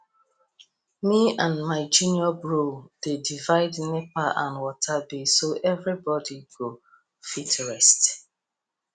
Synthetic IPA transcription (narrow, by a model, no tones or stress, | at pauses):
miãnmaɪd͡ʒũnjɔbɹod̥edivaɪdnepaʔã̰nwɔtʰabesoʔɛvɹibɔdiɡo | fitʰɹɛst